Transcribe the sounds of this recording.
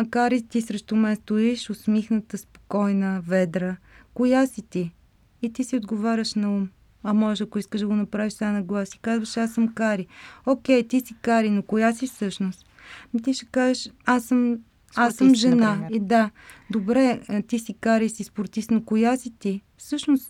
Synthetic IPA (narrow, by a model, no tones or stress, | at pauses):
mɐkaɾit̪isɾɛʃt̪omɛnst̪ʊiʃosmixnət̪əspo̥kɔjnəvɛd̪ɾə | kojasit̪iː | t̪isiod̪ɡovaɾʲəʃnɐum | ɐmɔʒɛʃɐkoiskəʒd̪əɡonɐpɾaviʃt̪anɐɡlˠasi̥kazvɐʃasəmkaɾiokʲɛjt̪isikaɾinokojasifsɤʃnost̪ | mit̪iʃɛ̥kazəʃasːəm | assəmʒɛnaid̪a | d̪obɾɛt̪isikaɾisispoɾt̪isnokojasit̪ifsɤʃnost̪